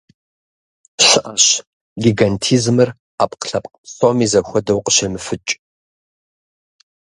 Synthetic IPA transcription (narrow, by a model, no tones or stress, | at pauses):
ɕɨʔɐɕ | ɡʲiɡantʰiːzmɨr | aːpʼqɬɐpʼqpsomiːzɐxʷɔdɐwqəɕɐmɨfɨt͡ʃʼ